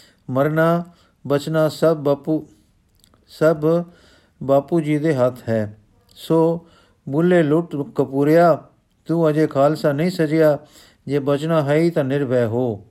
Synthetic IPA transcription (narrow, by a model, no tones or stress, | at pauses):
məɾnaː | bət͡ʃnaːsəbpu | səb | baːpuːd͡ʒiːd̪eːɦət̪ʰɦɛː | soː | bʊlːeːlʊʈkəpuːɾɪjaː | t̪uːəd͡ʒeːkʰaːlsaːnəĩːsəd͡ʒɪjaː | d͡ʒeːbət͡ʃnaːɦəiːt̪ãːnɪɾbɛːɦoː